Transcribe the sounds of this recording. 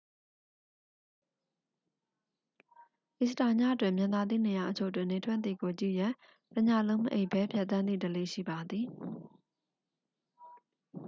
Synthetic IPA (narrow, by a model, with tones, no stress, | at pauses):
ʔɪ˨səta˨ɲa̰˦˨ʔətwɪ̰̃˨mjã˨nd̪a˨d̪ḭ˦˨ne˨ja˨ʔət͡ɕʰo˦˨t̬ːwɪ̰̃˦˨ne˨tʰwɛ˦ʔ̪t̪ḭ˦˨ɡo˨t͡ɕḭ˦˨jã˨ | təɲa̰˦˨lõ˦ʊ̃mə˦ʔe˦˨ʔbɛ˦pʰjɛ˦ʔt̪̬ːã˦nd̪ḭ˦˨də˨lḛ˦˨ʃḭ˦˨ba˨d̪i˨